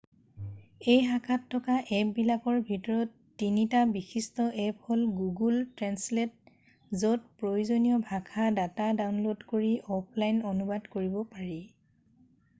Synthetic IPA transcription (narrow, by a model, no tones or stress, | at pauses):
ejɦakʰatʰːɔkaʔɛpbilakɔɹbʱitɔɹɔtːinitabixistɔʔɛpholɡuɡultɹɛnslɛt̚ | zɔt̚pɹojuzonijɔbʱakʰadatadawnlodkoɹiʔɔpʰlajnonubadkoɹibɔpaɹi